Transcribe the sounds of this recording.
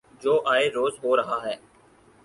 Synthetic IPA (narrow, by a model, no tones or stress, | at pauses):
d͡ʒoːʔaːeɾoːzɦoːɾɐɦaːɦɛː